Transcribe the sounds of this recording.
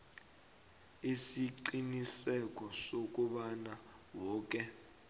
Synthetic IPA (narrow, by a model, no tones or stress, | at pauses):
isiǀinisɛk̬ʼɔsok̬ʼuɓana | wɔːk̬ʼɛ